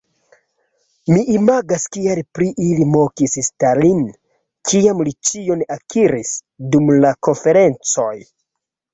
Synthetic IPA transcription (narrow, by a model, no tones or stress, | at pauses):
miʔimaɡaskialpɾiʔilimo̞kisstalin | kʰiamlit͡ʃio̞nakiɾis | dumlako̞nfe̞ɾe̞nt͡so̞j